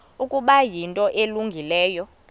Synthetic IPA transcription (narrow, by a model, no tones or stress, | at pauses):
ukʼuɓajintʼɔʔeluŋɡʱilɛːjɔ